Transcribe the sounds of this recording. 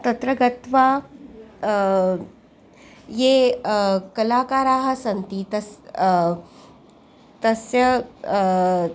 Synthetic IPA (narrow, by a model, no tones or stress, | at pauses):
t̪ɐt̪ɾɐɡɐt̪ʋaː | jeː | kɐlaːkaːɾaːɦɐ̆sɐnt̪it̪ɐs | t̪ɐsjɐ